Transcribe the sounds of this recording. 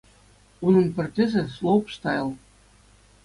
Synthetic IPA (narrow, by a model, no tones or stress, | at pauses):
unɤ̆npʲɘ̆rʲdʲĕzʲĕslˠopʂt̪ɑjɤ̆lˠ